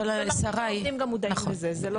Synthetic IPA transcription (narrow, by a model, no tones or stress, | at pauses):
alasaʁajimɡamud̪anχoezezelo